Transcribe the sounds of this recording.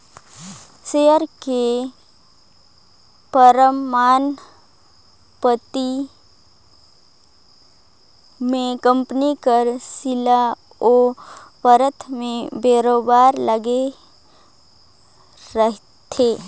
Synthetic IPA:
sejəɾke | pəɾəmːaːn | pət̪i | mẽkə̃mpnikəɾsɪla | opəɾət̪ʰmẽbeːɾoːbaːɾləɡe | ɾəɦ | t̪ʰeː

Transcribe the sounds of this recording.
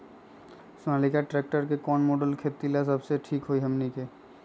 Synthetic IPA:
sʊnalikaʈɾɛk̚ʈəɾkekɔːnmoːɖəlkʰeːt̪ilas̬əbseʈʰiːkɦoiɦəmnike

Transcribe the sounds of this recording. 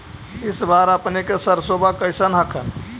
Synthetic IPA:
ɪsbaɾəpnekesəɾsobʱakəɪsənɦəkʰən

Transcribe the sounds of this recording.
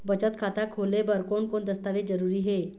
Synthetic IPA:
bət͡ʃət̪kʰat̪akʰolebəɾkonkond̪əst̪aʋed͡zəɾuːɾiːɦe

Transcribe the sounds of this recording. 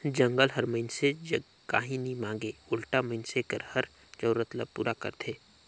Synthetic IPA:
d͡ʒə̃ŋɡəlɦəɾməɪnsed͡ʒ | ka̰ːɦĩnimãːŋɡeʊlʈaməɪnsekəɾhɐɾ | t͡ʃəːɾət̪lə̰bpṵːɾʔakə̰ɾt̪ʰeː

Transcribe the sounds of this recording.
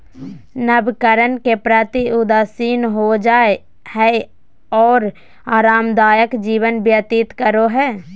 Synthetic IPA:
nəbkəɾənkepɾət̪iʊd̪aːsiːnɦod͡ʒaːe | hɛ | ɔːɾ | aːɾaːmd̪aːjəkd͡ʒiːʋənbjət̪it̪kəɾoɦɛː

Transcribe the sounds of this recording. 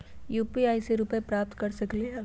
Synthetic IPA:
juːpiaːiseɾupepɾaːp̚t̪kɐɾsɐkliɦ

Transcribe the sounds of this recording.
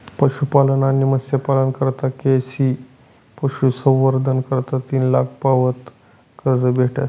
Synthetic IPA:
pəɕupalənanːiməsjəpalənkəɾt̪akesi | pəɕusə̃w̃ʋəɾd̪ʱənkəɾt̪at̪iːnlak̚ʰpaʋət̪ | kəɾd͡zəbʱeʈa̰

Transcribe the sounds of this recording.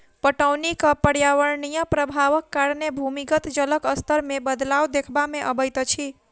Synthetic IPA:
pəʈəwnikəpəɽjaʋəɾnijəpɾəbʱaʋəkːaɾnebʱumiɡət̪d͡ʒələkəst̪ʰəɾmebəd̪lawd̪ekʰbameʔəbəjt̪t͡ʃʰi

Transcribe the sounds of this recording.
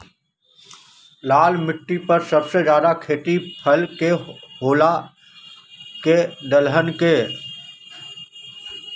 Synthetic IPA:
laːlmɪʈːipɐɾsɐbsed͡ʒjaːd̪akʰeːʈipʰɐlkeɦoːla | keɖ̪əlɦənkeː

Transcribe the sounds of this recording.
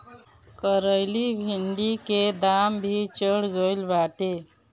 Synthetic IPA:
kəɾəjlibʱiɳɖiked̪ambʱit͡ʃəɽɡəjlbaʈe

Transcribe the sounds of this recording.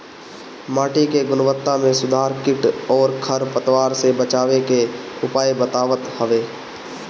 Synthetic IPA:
maːʈikeɡʊnʋət̪ːamẽsʊd̪ʱaːɾkɪʈɔːɾkʰɐɾpət̪ʋaːɾsebət͡ʃaːʋekeʊpaːjbət̪aːʋət̪həʋeː

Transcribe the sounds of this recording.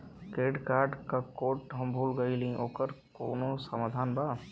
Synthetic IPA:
keːɖkaːɾɖkakoːʈɦɐmbʱuːlɡəilĩʔoːkəɾkoːnosɐmaːd̪ʱaːnbaː

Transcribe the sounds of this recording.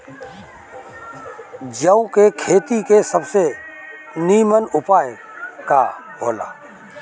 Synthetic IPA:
d͡ʒəũkekʰeːt̪ikesəbse | niːmənʊpaːjə | kabʱo̰ːla̰ː

